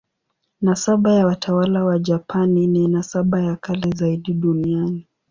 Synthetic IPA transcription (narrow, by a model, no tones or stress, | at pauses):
nasaɓajawatʰawalawad͡ʒapanininasaɓajakʰalɛzaiɗiɗuniani